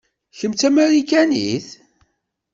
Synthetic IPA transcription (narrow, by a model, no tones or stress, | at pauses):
çəmt͡s̪æmeɾikænḭθ